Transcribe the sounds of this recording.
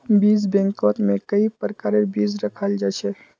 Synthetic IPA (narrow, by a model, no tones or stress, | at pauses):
biːzbɛ̃ːŋkɔːt̪mẽkəipəɾkaːɾebiːzɾəkʰəld͡ʒaːt͡ʃʰe